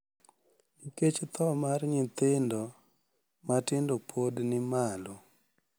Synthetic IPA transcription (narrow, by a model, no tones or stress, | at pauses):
niket͡ʃt̪ɔmarɲɪt̪ɪndɔ | matɪndopʰodnɪmalo